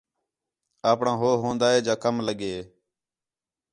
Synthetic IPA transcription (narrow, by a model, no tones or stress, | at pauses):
aːpɳãːɦoːɦõːnd̪aːɦeːd͡ʒãːkəmləɠeː